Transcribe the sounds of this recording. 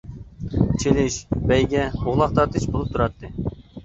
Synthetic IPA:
t͡ʃʰelɪʃbɛjɡʲɛoʁlˠɑχt̪ɑt̪ɨʃbolˠup̚t̪ʰuɾɑt̪ʰːɨ

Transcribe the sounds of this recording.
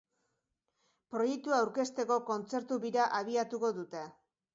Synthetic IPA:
pɾo̞je̞k̚t̪uawɾke̞st̪e̞ko̞ko̞nt͡se̞ɾt̪uβiɾaʔaβ̞iat̪uko̞ðut̪e̞

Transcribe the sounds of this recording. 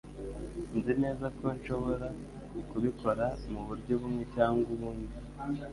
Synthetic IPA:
nzine̞ːzako̞nʃo̞βo̞ɾa | kuβikʰo̞ɾamuβuɾɟo̞βumŋecaːŋɡuβuːndi

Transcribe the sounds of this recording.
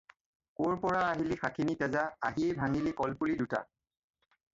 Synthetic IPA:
koɹpɔɹaaɦilixakʰinitɛzaa̰ɦiejbʱaŋilikɔlpuliduta̰

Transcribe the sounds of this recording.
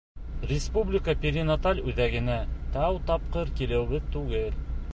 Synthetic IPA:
rʲɪspublʲɪkəpʲɪɾʲinat̪alʲʉðæɡɘ̆næt̪æwt̪ɑp̚qɤɾkilɘ̆wbɘðt̪ʉɡɘl

